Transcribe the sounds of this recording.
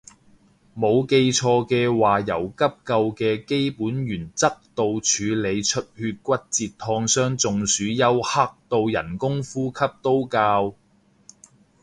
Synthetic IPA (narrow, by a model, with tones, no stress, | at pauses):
mo˨˧wke˧jt͡ʃʰɔː˧kɛː˧waː˨jɐ˨˩wkɐ˥p̚kɐ˧wkɛː˧ke˥jpuː˨˥njyː˨˩nt͡sɐ˥k̚t̪o˧wt͡ʃʰyː˨˧le˨˧jt͡ʃʰɵ˥t̚hyː˧t̚kʷɐ˥t̚t͡siː˧tt̪ʰːɔː˧ŋsœː˥ŋt͡sʊ˨ŋsyː˨˥jɐ˥wha˥k̚t̪o˧wjɐ̰˨˩nkʊ˥ŋfuː˥kʰɐ˥p̚t̪o˥wkaː˧w